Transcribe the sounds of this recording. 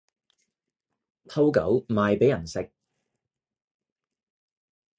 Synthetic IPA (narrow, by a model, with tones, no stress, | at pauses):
t̪ʰɐ˥wkɐ̰˨˥wmaː˨˧jpe˨˥jɐ˨˩nsɪ˨k̚